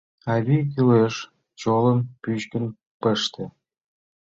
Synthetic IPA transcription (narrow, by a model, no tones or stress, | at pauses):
ɑβʲikyleʃ | t͡ɕolə̆mpyɕkə̆n | pəʃt̪ĕ